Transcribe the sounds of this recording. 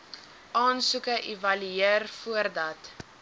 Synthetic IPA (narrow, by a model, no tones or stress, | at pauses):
ʔɑːnsukəʔivɐlyeərfuərdɐt